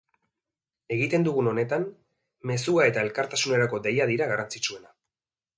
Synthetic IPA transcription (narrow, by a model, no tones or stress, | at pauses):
e̞ɣit̪e̞nd̪uɣuno̞ne̞t̪an | me̞suae̞t̪ae̞lkaɾt̪asune̞ɾako̞d̪e̞jaðiɾaɣarant͡sit͡ʃue̞na